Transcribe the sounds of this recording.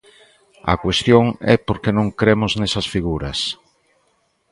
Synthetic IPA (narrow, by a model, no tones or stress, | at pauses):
ɐ̰kwest̪joŋɛ̰poɾkenõŋkɾemʊznɛsɐsfiɣuɾɐs